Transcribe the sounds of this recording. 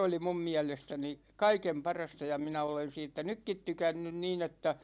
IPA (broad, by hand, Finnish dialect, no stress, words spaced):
oli mum miælestæni kɑikem pɑrɑstɑ jɑ minæ olen siːtːæ nykːit tykænːyn niːn etːæ